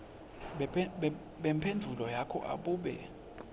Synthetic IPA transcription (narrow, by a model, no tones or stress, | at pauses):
ɓɛmpʰendʱulɔjakʰɔ̰ʔa̰ɓuːɓɛ̰